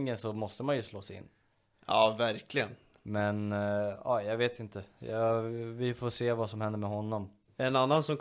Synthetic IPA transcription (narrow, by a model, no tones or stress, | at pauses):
ŋːənsɔmɔst̪əmanjɵsloːsɪ̰nː | ɑːvæɾkʰlɪɡən | mɛnɑ̰ːjɑɡveːt̪ʰɪnt̪əjɑ̰vɪfoːseːvasɔmhɛnd̪əɾmɛɦɔnːɔm | ɛnanːansɔm